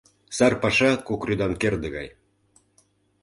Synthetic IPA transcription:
sɑrpɑʃɑkokryd̪ɑnkerd̪ə̆ɣɑ̰j

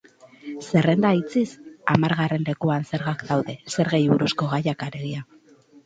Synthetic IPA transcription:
se̞re̞nd̪ait͡sisamaɾɣare̞nle̞kuanse̞ɾɣakd̪awðe̞se̞ɾɣejβuɾusko̞ɣajakaɾe̞ɣia

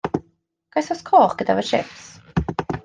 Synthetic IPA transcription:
ɡ̥ajsɔskʰɔːχɡ̥əd̪avəʃɪ̰ps

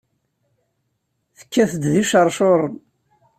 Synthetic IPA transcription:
θə̥kːæθəd̪ðiʃəɾˤʃoɾˤən

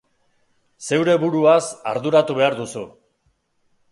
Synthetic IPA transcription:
se̞wɾe̞βuɾuasa̰ɾðuɾat̪uβe̞aɾd̪usu

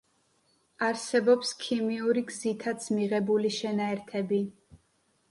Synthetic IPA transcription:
aɾsɛbɔpskʰimiuɾiɡzit̪ʰat̪sʰmiʁɛbuliʃɛnaɛɾt̪ʰɛbi

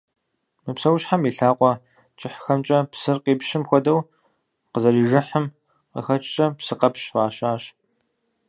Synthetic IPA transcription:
mɨpsɐwʃħamiːɬaːqʷʼɔ | t͡ʃʼɪħxɐmt͡ʃʼɐpsɨrqiːpʃɪmxʷɔdɐw | qəzɐriːʒɨħəm | qə̰xɐt͡ʃʼt͡ʃʼɐpsɨqɐpʃfaːɕaːɕ

